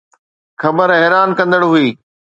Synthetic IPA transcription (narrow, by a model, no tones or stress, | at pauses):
xɐbəɾɛɦɾaːnkɐ̃nd̪əɽɦuiː